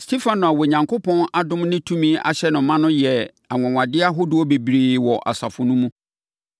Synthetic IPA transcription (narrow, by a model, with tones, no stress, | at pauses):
stʰe˦fã˨nʊ̃˨a˨wɔ˨ɲã˨ŋkʰʊ˦pʰɔ̃˦na˦dʊ̃˦mnɪ̃˦tʰũ˦mĩ˦a̰˨ɕɛ˦nʊ̃˨mã˦nʊ̃˦jɛ˨ | a˨ŋɛ̃˨ŋʷã˨dɪ˦a˦ɦʊ˦dʊ˦ɔ˦be˨bɾiː˨wɔ˨ʔa̰˨sa˨fʊ˨nʊ̃˦mũ˦